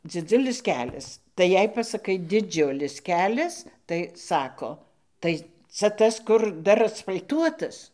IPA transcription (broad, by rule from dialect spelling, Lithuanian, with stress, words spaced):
d͡zʲɪˈd͡zʊlʲɪs ˈkʲæːlʲɛs tɐɪ ˈjɛɪ pɐsɐˈkɐɪ dʲɪˈd͡ʒʲʊlʲɪs ˈkʲæːlʲɛs tɐɪ ˈsɑːkoː ˈtɐɪ ˈt͡sɐ ˈtɐs kʊr ˈdɐr ɐsfɐlʲˈtuɔtɐs